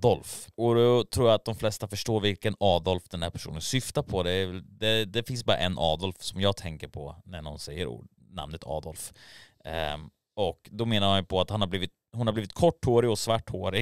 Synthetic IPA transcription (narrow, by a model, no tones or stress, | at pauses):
d̪ɔlfɔd̪ɔt̪ʰɾuːɾjaat̪̚d̪ɔmflɛst̪afœʂʈoːɾvɪlkənɑːd̪ɔlfd̪ɛnhæɾpʰæ̥ʂṵːnənsʏft̪apʰɔd̪ɛɛld̪ɛd̪ɛfɪnsbɑːɾa̰ʔɛnːʔɑːd̪ɔlfsɔmjɑːɡ̚t̪ʰɛŋkəɾpʰɔ̰næɳɔ̰nsɛjːəɾ̰ | na̰mnət̪ʰɑ̰ːd̪ɔlf | ɔkd̪ɔmeːnaɾhanpʰɔat̪hanhabliːvɪt̪ | hʊnhaɾbliːvɪt̪̚kʰɔʈːhoːɾɪɔsvaʈʰːhoːɾɪ